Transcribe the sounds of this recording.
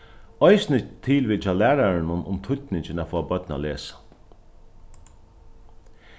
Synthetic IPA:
ɔjsnɪt̪ʰɪːlʋiːt͡ʃalæːɾaɹɪnʊnʊ̰mt̪ʰʊt̪nɪɲt͡ʃɪnafɔːbœt̪na̰leːsḁ

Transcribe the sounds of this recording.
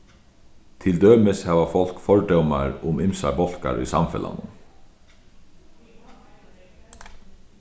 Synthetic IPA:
t̪ʰɪld̪øːməshɑːʋɑfɔlkfɔɹɖɛmɑɾʊmɪmsɑ̰bɔlkɑ̰ɾḭːsɑmfɛ̰lɑ̰nə

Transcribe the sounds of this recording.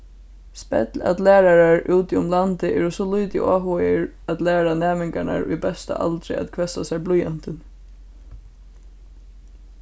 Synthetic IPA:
spɛ̰t̪la̰t̪læːɾaɾaɹuːt̪ɪʊmlant̪ɪʔɛːɾəsɔlujt̪ɪ̰ʔɔːɦɔjɪɹad̪læːɾanɛːmɪŋkaɳa̰ɹʊ̰jbɛst̪a̰ʔa̰lt̪ɾɪ̰a̰t̪kʰʋɛsasɛjblujant̪ən

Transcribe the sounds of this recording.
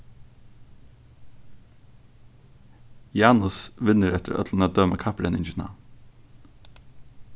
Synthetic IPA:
jɑːnʊsʋɪnəɾɛt̪əɾœ̰t̪ʰlnəːd̪œməkʰɑpɾənɪnd͡ʒʉnɑ̰ː

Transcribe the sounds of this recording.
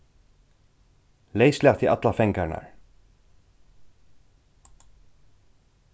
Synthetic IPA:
leːjslawt̪ʰiʔat̪lafɛŋkaɾna̰ɹ̥

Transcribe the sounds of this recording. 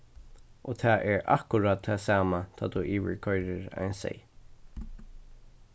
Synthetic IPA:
ʔot̪ʰaːʔɛɹa̰kʊɾad̪̚t̪ʰaːsaːmat̪ʰa̰ːt̪uʔiːʋɪ̰ɹkʰɔʏɾɪɹa̰jnsɛ̰j

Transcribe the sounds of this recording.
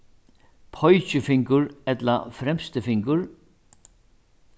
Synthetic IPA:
pʰɔjt͡ɕɪfɪŋkʊɹɛt̪la̰fɾɛmst̪ɪfɪŋkʊɹ

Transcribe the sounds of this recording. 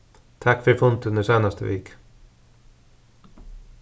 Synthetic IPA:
t̪ʰakfœɾfʊnt̪ʉnəseːnast̪əʋḛːk

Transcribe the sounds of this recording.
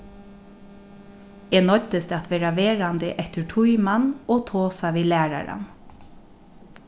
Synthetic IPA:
eːnɔt̪əst̪at̪ʰʋeːɾaʋeːɹand̪ɪʔɛht̪ɪɹʈʰujmanːɔːt̪ʰoːsaʋiːlæːɹa̰ɾa̰n

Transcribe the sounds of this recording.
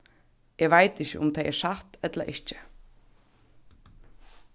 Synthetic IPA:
jɛɣvajt̪ɪçcɪ̰ʔʊmt̪ʰajɛɾ̥saht̪ɛt̪laʔɪht͡ɕɪ

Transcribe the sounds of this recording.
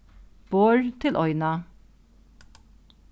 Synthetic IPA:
b̥oːɹt̪ʰɪlʔɔʏnɑ

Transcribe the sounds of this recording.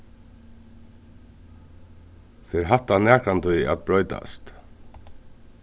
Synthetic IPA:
fɪɾɦaht̪ːanɛːkɾant̪ʊjɛ̰t̪̚bɾɔʏt̪a̰st̪

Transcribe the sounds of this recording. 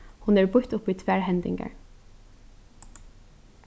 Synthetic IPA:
hʊnæːɹbʊt̪ʊpiːt̪ʰʋæːɹhɛnd̪ɪ̰ŋɡə̰ɹ

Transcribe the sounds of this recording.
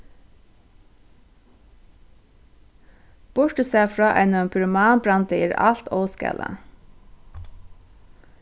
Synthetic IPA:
b̥ʊɹʈəseːfɹɑːʔɛnəmpʰʉɹəmɑːnbɹɑnd̪əeːɾɑ̰lt̪ɔːskɛ̰lʔə̰

